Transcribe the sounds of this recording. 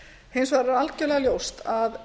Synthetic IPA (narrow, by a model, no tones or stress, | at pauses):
hejnsvaɾɪɾalt̪cɛʏlɛɣaljowst̪að